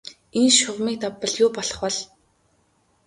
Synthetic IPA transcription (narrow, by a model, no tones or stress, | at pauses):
enʃʊʁmiːk̚t̪apːə̆ɮjʊːpɔɮɞ̥̆χwɔ̆ɮ